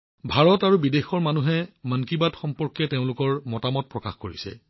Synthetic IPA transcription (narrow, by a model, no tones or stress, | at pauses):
bʱaɹɔtaɹubidexɔɹmanuɦɛmankibatxɔmpɔɹkɛteʊ̃lʊkɔɹmɔtamɔt̚pɹɔkaxkoɹisɛ̰